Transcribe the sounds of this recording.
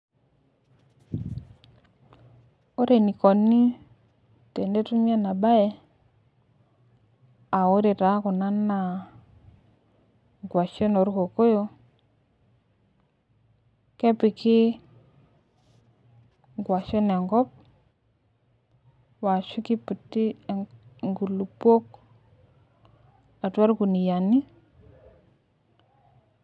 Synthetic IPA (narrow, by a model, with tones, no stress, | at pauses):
o˦ɾe˨ni˨ko˨nːi˦ | te˨nde˦tu˦mi˦a˦na˨ba˦je˦ | a˨wo˦ɾe˨ta˨˦ku˨na˦nːa˨ | ɡwa˨ʃo˦no˨ɾko˨ko˦jo˦ | kɛ˦pɪ˨kɪ˦ | ŋɡwa˨ʃɔ˦nɛ˨ŋɡɔ˦p̚ | wa˨ʃʊ˦ki˦pu˨tːi˦˨ŋɡu˨lu˨pːo˦k | a˨twa˦ɾku˨ni˨ja˨ni˦